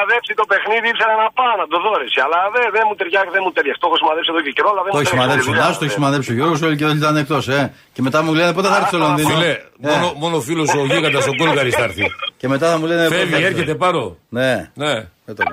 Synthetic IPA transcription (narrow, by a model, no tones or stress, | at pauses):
ðepsit̪o̞pe̞xniðiipse̞ɾɐnɐpɐnɐd̪oðo̞ɾesiɐlɐðeðemut̪eɾʝɐðemut̪eɾʝɐst̪oxosimɐðepsieðokceɾoɐlɐðemoçisimɐðesɐst̪oçismɐðe̞psioʝo̞ɾɣos̬oliceðoit̪ɐnek̚t̪o̞se | ce̞me̞t̪ɐmulenepot̪eθɐɐɾθst̪olonðinlemoenomonofilosoʝokɐd̪ɐst̪oɡolɣɐɾist̪ɐɾθice̞me̞t̪ɐθɐmulenefeveɾçet̪epɐɾo̰neneet̪o